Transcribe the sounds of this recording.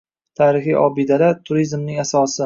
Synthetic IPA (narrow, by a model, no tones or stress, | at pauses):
t̪ʰaːɾɪχijʔɒbɪd̪alat̪ʰʊɾizmnɪŋasɒsɪ